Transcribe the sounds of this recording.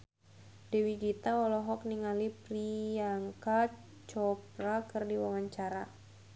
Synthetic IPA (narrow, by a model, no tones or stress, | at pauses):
dɛwiɡit̪aɔlɔɦɔk̚niŋalipɾiaŋka | t͡ʃɔpɾakɨrdiwawaɲt͡ʃaɾa